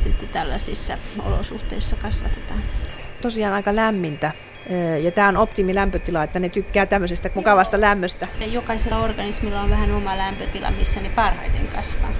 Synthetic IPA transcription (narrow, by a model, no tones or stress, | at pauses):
sit̪ːet̪ælːæsisːɑo̰lo̰suht̪eisːɑkɑsʋɑt̪et̪ɑːnt̪osiɑːnɑikɑlæmːint̪æ | jɑt̪æːonopt̪imilæmpøt̪ilɑet̪ːænet̪ykːæːt̪æmːøsest̪æmukɑʋɑst̪ɑlæmːøst̪æjokɑiselːɑorɡ̥ɑnismilːɑoʋʋæhænomɑlæmpøt̪ilɑ̰misːænepɑrhɑ̰it̪ḛŋkɑsʋɑ̰ː